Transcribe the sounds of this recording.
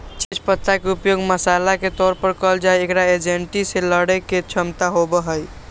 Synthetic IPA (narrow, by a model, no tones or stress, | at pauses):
t͡ʃet͡ʃpət̪ʰːakeupjoɡməsalaket̪ɔɾpəɾkəld͡ʒajekɾaed͡ʒeɳʈiseləɽeket͡ʃʰəmt̪aɦobəɦəj